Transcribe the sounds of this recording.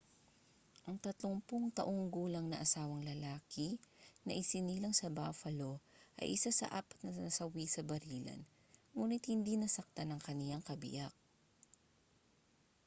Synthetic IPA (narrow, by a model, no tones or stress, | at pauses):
ʔɐŋt̪ɐt̪loŋpoŋt̪ɐʔoŋɡuːlɐŋnɐʔɐsaːwɐŋlɐlaːkɪnɐ̰ʔɪsɪniːlɐŋsɐbafɐlo̞ʔɐ̰jʔɪsasɐ̰ʔa̰pɐ̥t̪nɐɐsɐwisɐbɐɾiːlɐ̰n | muːnɪt̪̚hɪnd̪inɐsɐk̚t̪anɐŋkɐnɪjaŋkɐbɪ̰ʔak̚